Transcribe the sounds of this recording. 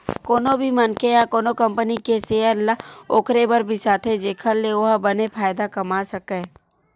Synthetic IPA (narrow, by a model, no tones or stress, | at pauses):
koːnobʱimənkejakoːnokə̃mpənikeseəlaoːkɾebəɾbʱisaːt̪ʰed͡ʒeːkʰəlːeoɦbənepʰaːjd̪akɐmasɐkeː